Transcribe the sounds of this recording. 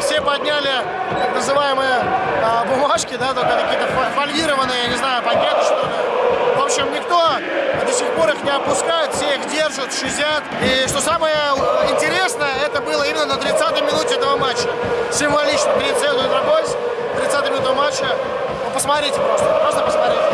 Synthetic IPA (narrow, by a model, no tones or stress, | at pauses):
fsʲepɐdʲnʲælʲɪ | knəzɨvajɪməjəəbʊmaʂkʲɪd̪at̪okət̪ɐkʲijət̪əfɐfɐlʲvʲiɾəvənːɨjəjanʲɪznajʊpɐnʲat̪nəʂt̪olavopɕɪmnʲɪkt̪o̞ | d̪əsʲɪxpo̞ɾɨxnʲɪɐpʊskajʊt̪fsʲeixdʲe̞rʐət̪ʂɨzʲat̪iʂt̪o̞saməjəɪnʲtʲɪɾʲe̞snəjəɛt̪əbɨlˠəimʲɪnːənət̪ɾʲɪt̪sat̪əjmʲɪnutʲɪɛt̪əvəmat͡ɕːə | sʲɪmvalʲit͡ɕnəkɾʲɪt̪sed̪ʊɪt̪ɾɐpolʲsʲ | t̪ɾʲɪt̪sat̪ɨjmʲɪnut̪əvəmat͡ɕːə | opəsmɐt̪ɾʲitʲɪpɾost̪əpɾost̪əpəsmɐt̪ɾʲitʲɪ